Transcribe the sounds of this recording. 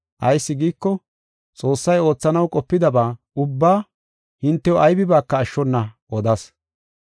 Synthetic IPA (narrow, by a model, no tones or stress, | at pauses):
ʔɐjsːɪɡiːkːɔ | t͡sʼo̞ːsːɐjo̞ːt͡sːɐnɐwkʼɔpːɪd̪ɐbaː | ʊbːaː | hɪnt̪ːɛwɔʔɐjbɪbaːkːɐːʃːɔnːɐʔɔd̪ɐs